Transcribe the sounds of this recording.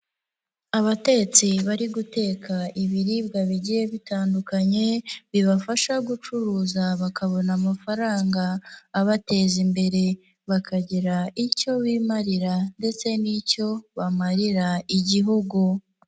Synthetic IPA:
aβate̞t͡siβaɾiɡute̞ːkʰaiβiɾib̚ɡaβiɟije̞βitaːndukaɲe̞βiβafaʃaɡut͡ʃuɾuːzaβakaβo̞namafaɾaːŋɡaːβate̞ːzimbe̞ɾe̞ | βakʰaɟiɾaico̞βiːmaɾiɾande̞t͡se̞nico̞βamaɾiɾaiɟiɦuɡu

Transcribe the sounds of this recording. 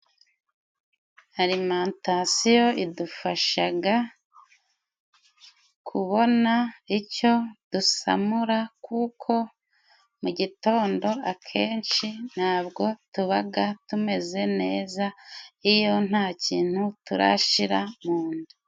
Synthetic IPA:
aɾimaːntasijo̞ʔidufaʃaɡa | kʰuβo̞naico̞d̥usa̰muɾakʰuːkʰo̞ | muɟito̞ːndo̞akʰe̞ːnt͡ʃin̥haːbɡo̞tuβaɡatume̞ze̞ne̞ːzaijo̞n̥haːciːn̥hutuɾa̰ʃiɾamuːndu

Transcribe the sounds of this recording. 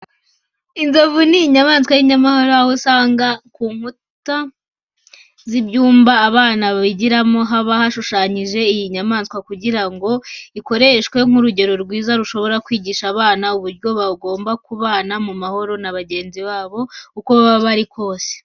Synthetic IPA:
inzovuniːɲamaːnskwajiɲamaho̞ɾojahosaːŋɡakuːŋ̥hu | ta | zibjuːmbaːβaːnaβaβiɟiɾamo̞ɦaβahaʃuʃaːɲiʒe̞ijiɲamaːnskwakuɟiɾaŋɡo̞iko̞ɾe̞ʃkwe̞ŋuɾuɟe̞ɾo̞ɾɡwiːzaɾuʃo̞βo̞ɾakwiːɟiʃaβaːnauβuɾɟo̞βaɡo̞ːmbakuβaːnamumaho̞ɾo̞naβaɟe̞ːnziβaːβo̞ukoβaβaβaɾikʰo̞ːse̥

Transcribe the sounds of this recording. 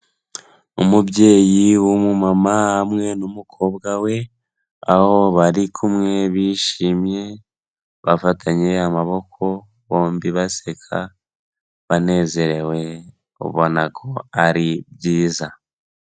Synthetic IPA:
umubɟe̞ːjiwumumamahamŋe̞numukʰo̞bɡawe̞ | aho̞βaɾikʰumŋe̞βiʃiːmje̞ | βafatʰaɲe̞amaβo̞kʰo̞ | βo̞ːmbiβasekʰa̰ | βane̞ze̞ɾe̞we̞ | o̰βonakʰo̞aɾibɟiːza

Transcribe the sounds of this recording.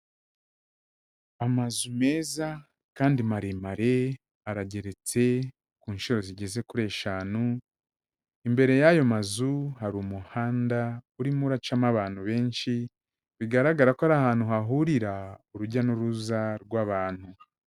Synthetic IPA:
amazume̞ːza | kaːndimaɾimaɾe̞ | aɾaɟe̞ɾe̞t͡se̞ | kuːnʃiɾo̞ziɟe̞ze̞kuɾe̞ːʃaːnu | imbe̞ɾe̞jajo̞mazuɦaɾuːmuhaːndauɾimuɾat͡ʃamaβaːn̥huβe̞ːnʃi | βiɡaɾaɡaɾakohaɾahaːn̥huɦaɦuɾiɾauɾuɟanuɾuzaɾɡwaβaːn̥hu

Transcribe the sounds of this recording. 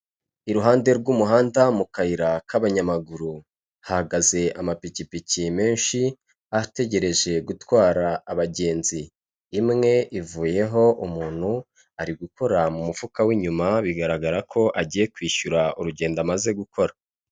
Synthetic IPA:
iɾuɦaːnde̞ɾɡumuɦaːndamukaiɾakʰaβaɲamaɡuɾu | hahaɡaze̞ʔamapicipicime̞ːnʃi | ate̞ɟe̞ɾe̞ʒe̞ɡutwaːɾaːβaɟe̞ːnziː | mŋe̞ʔivuːje̞ɦo̞ʔumuːn̥hu | aɾiɡuko̞ɾamumuvukawiːɲumaβiɡaɾaɡaɾakʰo̞ʔaɟiːje̞kwiːʃuɾauɾuɟe̞ːndamaze̞ɡukʰo̞ɾa

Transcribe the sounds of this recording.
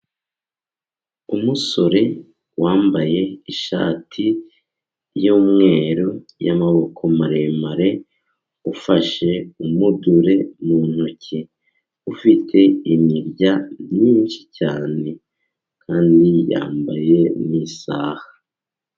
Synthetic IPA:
umuso̞ɾe̞ | waːmbaje̞iʃa̰ːtʰi | joːmŋe̞ːɾo | ja̰maβo̞kʰo̞maɾemaɾe̞ | ufaʃe̞umuduɾe̞nun̥oci | ufitʰe̞iɲiɾɟamɲiːnʃi̥caːne̞ | kʰaːndija̰ːmba̰je̞niːsa̰ːhḁ

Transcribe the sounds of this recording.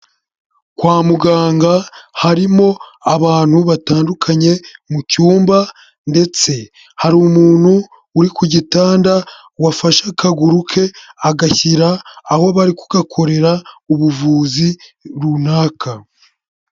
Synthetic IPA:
kwaːmuɡaːŋɡahaɾimo̞aβaːn̥huβataːndukʰaɲe̞mucuːmba | nde̞t͡se̞ | haɾumuːn̥huː | ɾikuɟitaːnda | wafaʃakʰaɡuɾukʰe̞aɡaçiɾaːho̞βaɾiku̥ɡakʰo̞ɾe̞ɾauβuvuːziɾunaːkʰa

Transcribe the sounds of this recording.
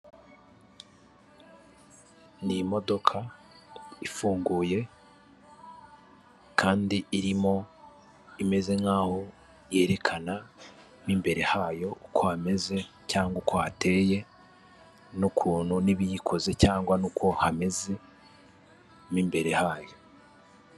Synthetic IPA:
nimo̞do̞kʰa | ifuːŋɡuːje̞ | kʰaːndiiɾimo̞ | ime̞ze̞ŋhaːho̞ | je̞ːɾe̞kʰana | miːmbe̞ɾe̞haːjo̞ukohame̞ze̞ | caːŋɡwukwohate̞ːje̞ | nukʰuːn̤huniβijikʰo̞ze̞caːŋɡwanukwo̞hame̞ze | miːmbe̞ɾe̞haːjo̞

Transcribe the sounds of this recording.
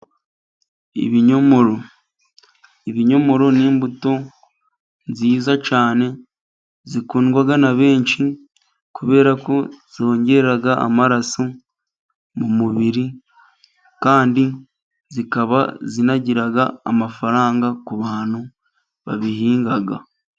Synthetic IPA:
ḭβiɲo̞mo̞ɾo̞ | iβiɲo̞mo̞ɾo̞niːmbuto̞ | nziːzat͡ʃaːne̞ | zikuːnɡwaɡanaβe̞ːɲt͡ʃi | kuβe̞ːɾako̞z̥io̞ːɲɟe̞eɾaɡaa̰maɾaso | mumuβiɾi | kaːndi | zikaβa̰zinaɟiɾaɡa̰ːmafaɾaːŋɡakuβaːn̥u | βa̰βihiːŋɡaɡa̰

